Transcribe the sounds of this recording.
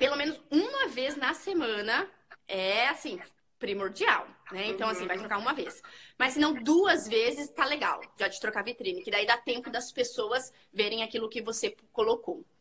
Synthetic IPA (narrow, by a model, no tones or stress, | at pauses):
pelomẽnʊzũmɐveznɐsemɐ̃nɐ | ɛasĩ | pɾimoɾd͡ʒia̰wnɛẽnt̪ɐ̃w̃asĩvajt̪ɾokaɾũmɐvesmɐsːɪnɐ̃w̃d̪uɐzvezɪst̪aleɡa̰wʒat͡ʃɪ̥t̪ɾokavit̪ɾĩnɪkɪd̪aid̪at̪ẽmpʊd̪ɐspesowɐz | veɾẽj̃akilʊkɪvosekolokow